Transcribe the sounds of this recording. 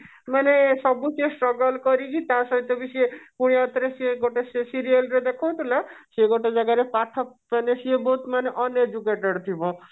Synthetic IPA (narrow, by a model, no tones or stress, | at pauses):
manesɔbusesʈɾɔɡɔlkɔɾikit̪asɔɦit̪ɔbisiepuɽ̃iat̪ɾeseɡoʈesesiɾiəlɾed̪ekʰow̃t̪ʰulaseɡoʈed͡ʒaɡaɾepaʈʰːɔpmanesiebɔut̪maneʔɔned͡ʒukeʈɔɽt̪ʰibɔ